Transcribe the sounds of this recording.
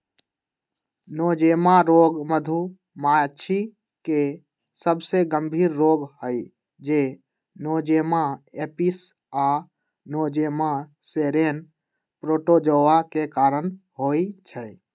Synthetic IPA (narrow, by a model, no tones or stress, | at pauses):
noːd͡ʒemaɾoːɡməd̪ʱu | mat͡ʃʰi | ke | səbseɡəmbʱiːɾːoːɡhəj | d͡ʒe | noːd͡ʒemaepis | a | nod͡ʒema | seɾen | pɾoːʈod͡ʒəʋakekaːɾən | ɦoit͡ʃʰə